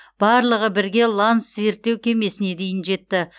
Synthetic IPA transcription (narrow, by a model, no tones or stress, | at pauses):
b̥ɑɾlˠəʁəbɪɾɡʲe̞lˠansze̞ɾt̪ːe̞wkʲʰe̞me̞sɪne̞d̪e̞jɪnʒe̞t̪ːɪ